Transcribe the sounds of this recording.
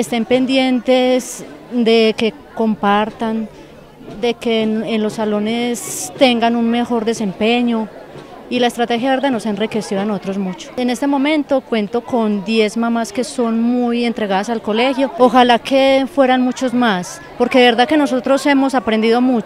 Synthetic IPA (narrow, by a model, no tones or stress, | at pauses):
est̪e̞mpe̞nd̪je̞nt̪e̞sd̪eke̞ | ko̞mpaɾt̪an | d̪e̞keenlo̞sːalo̞ne̞st̪eŋɡanunme̞xo̞ɾd̪e̞se̞mpe̞ɲo̞ | ilaest̪ɾat̪e̞xjaβeɾd̪enosaenrikesiðanoot̪ɾo̞zmut͡ʃo̥ene̞st̪e̞mo̞mẽ̞nt̪o̞kwe̞nt̪o̞ko̞nd̪je̞zmamaske̞so̞nmuje̞nt̪ɾe̞ɣaðasalko̞le̞xjo̞ːxalakʰe̞fwe̞ɾanmut͡ʃo̞zmas | po̞ɾke̞ðeβe̞ɾd̪ake̞no̞so̞t̪ɾo̞se̞mo̞sapɾe̞nd̪iðo̞mu